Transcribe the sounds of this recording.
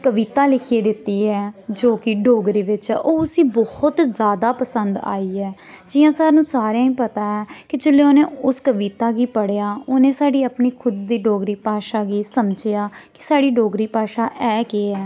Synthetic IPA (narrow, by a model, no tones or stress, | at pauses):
kəʋiːt̪aːlɪkʰieːd̪ɪt̪ːiːɛːd͡ʒoːkɪɖoːɡɾiːʋɪt͡ʃːʔoːʊsiːbɔhʊt̪zaːd̪aːpəsənd̪a̰ːiːɛːd͡ʒɪjãːsaːɾnũːsaːɾjãːĩːpət̪aːɛːkɪd͡ʒɪleːoːnẽːʊskəʋiːt̪aːɡiːpəɽejaːʊnẽːsaːɖiːəpniːkʰʊd̪ːiːɖoːɡɾiːpaːʃaːɡiːsəmd͡ʒɪjaːkɪ̥saːɽiːɖoːɡɾiːpaːʃaːʔɛːkeːɛː